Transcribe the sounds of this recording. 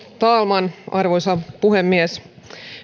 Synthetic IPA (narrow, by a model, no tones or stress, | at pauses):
t̪ɑːlmɑnɑrʋojsɑpuɦemːies